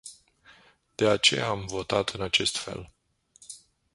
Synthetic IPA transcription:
d̪̥e̞at͡ʃe̞̰jaːmvo̞t̪at̪ɨnat͡ʃe̞st̪fe̞̰l

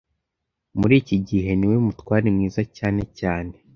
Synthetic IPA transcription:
muɾiːciɟiɦe̞niwemutwaːɾimŋiːzacaːne̞caːne̞

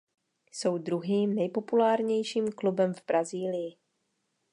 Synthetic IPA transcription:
so̞wdɾuɦiːmnɛjpo̞pulaːɾɲɛjʃiːmklubɛmvbɾaziːlɪjɪ

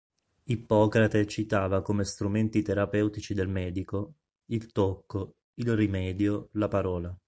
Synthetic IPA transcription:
ipɔːkɾat̪at͡ʃit̪aːvakomest̪ɾument̪it̪eɾapɛwt̪it͡ʃid̪elmɛːd̪iko | ilt̪okːo | ilrimɛːd̪jolapaɾɔːla

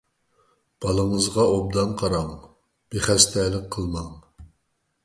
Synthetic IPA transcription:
b̥ɑlˠəŋəzʁɑʔob̚d̪ɑnqʰɑɾɑŋ | b̥eχɛst̪ʰɛlɪk̚qʰəlˠmɑŋ

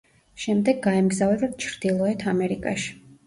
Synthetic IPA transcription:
ʃɛmd̪ɛɡːaɛmɡzavɛd̪at̪̚t͡ʃʰɾd̪̥ilˠɔɛt̪ʰamɛɾikʼa̰ʃi̥

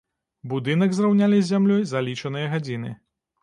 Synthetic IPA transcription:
bud̪ɨnɐɡzrawnʲalʲizʲːamlʲɔjzalʲit͡ʂɐnɨjɐɣad͡zʲinɨ

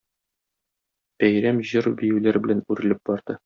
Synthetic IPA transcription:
b̥æjɾæmʑɤɾbijɘ̆wlæɾbɘ̆lænʉɾɘ̆lɘp̚bɒɾd̪̥ɤ

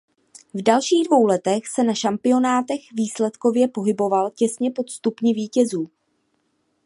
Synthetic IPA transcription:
vdalʃiːɣdvo̞wlɛt̪ɛxsɛnaʃampɪo̞naːt̪ɛxviːslɛt̪ko̞vjɛpo̞ɦɪbo̞valcɛsɲɛpo̞t̪st̪upɲɪviːcɛzuː

